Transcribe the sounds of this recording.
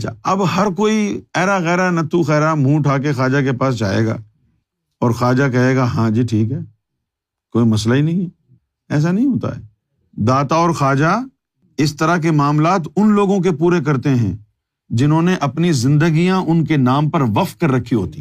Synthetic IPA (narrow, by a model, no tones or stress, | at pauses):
ɐt͡ʃʰa̰ɐbɦɐɾk̬oːiɛːɾaɣɛːɾanɐt̪uxɛːɾam̤ũːʈʰaːk̬exaːd͡ʒakepaːs̬d͡ʒa̰ːḛːɡa̰ː | ɔːɾxaːd͡ʒak̬ɐɦeːɡaɦãd͡ʒiʈʰiːkɦɛː | koːimɐs̬lainɐɦĩɦɛ | ɛːs̬anɐɦĩɦoːt̪a̰ɦɛ̰ː | d̪aːt̪aɔːɾxaːd͡ʒa | ɪst̪ɐɾak̬emaːmlaːt̪ʊnloːɡõk̬epuːɾek̬ɐɾt̪eɦɛ̃ː | d͡ʒɪnɦõːneʔɐpnizɪ̃nd̪əɡijãʔʊnkenaːmpɐɾʋɐft̪kɐɾːɐkʰːiɦo̰ːt̪iː